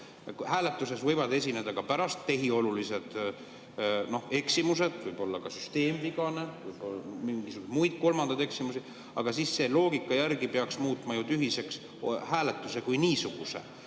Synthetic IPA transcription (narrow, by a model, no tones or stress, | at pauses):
hæːle̞t̪ːˑuse̞svɤ̞jvɑd̪e̞s̬ʲine̞d̪̥ɑkɑpæɾɑst̪ːe̞ɦio̞lulise̞d̪̥ | no̞he̞ksimus̬ed̪̥vɤjbo̞lːɑkɑsyst̪e̞ːmviɡ̥ɑne̞vɯjbolːmiŋɡisuɡud̪mujd̪̥̚ko̞lmɑnd̪̥ɑd̪e̞ksimusi | ɑɡ̥ɑsiːsːe̞lo̞ːɡikːˑɑjærɡipeɑksmuːt̪ˑmɑjut̪yɦise̞ks | hæːle̞t̪ːˑuse̞kujniːsuɡ̥usḛ